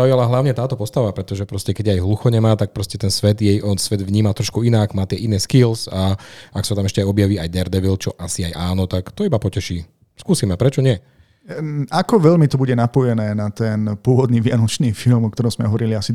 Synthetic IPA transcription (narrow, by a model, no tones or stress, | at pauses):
zaujalaɦlaʊɲɛt̪aːt̪ɔpɔst̪aʋapɾɛt̪ɔʒɛpɾɔscɛkɛɟajɦluxɔɲɛmaːt̪ak̚pɾɔscɛt̪ɛnsʋɛd̪jɛjʔɔnsʋɛd̪ʋɲiːmat̪ɾɔʃkuinakmaːt̪ɪɛʔinɛːskilzaaksat̪amɛʃcɛajɔbjaʋiːajd̪ɛɾd̪ɛʋilt͡ʃɔʔasiajʔaːnɔt̪akt̪ɔibapɔcɛʃiː | skuːsiːmɛpɾɛt͡ʃɔɲɪɛ | akɔʋɛʎmit̪ɔbuɟɛnapɔjɛnɛːnat̪ɛnpʊɔʋɔd̪niːʋɪanɔt͡ʃniːfilmɔk̚t̪ɔɾɔ̃mzmɛ̰ɦɔʋɔɾiliasi